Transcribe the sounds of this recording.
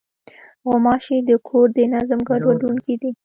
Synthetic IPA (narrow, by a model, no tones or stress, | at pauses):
ɣʊmɑʃid̪əkʰoɾd̪ənazmɡaɖwaɖuŋkid̪i